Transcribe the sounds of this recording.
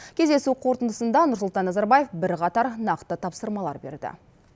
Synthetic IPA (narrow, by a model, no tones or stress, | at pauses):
kʲʰe̞zd̪esuqʰo̞ɾt̪ənd̪əsənd̪ɑnʊɾsʊlˠt̪ɑnːɑzɑɾbaje̞fbɪɾqɑt̪ɑɾnɑqt̪ət̪ʰɑpsəɾmɑlˠɑ̰ɾbe̞̰ɾd̪ɪ̰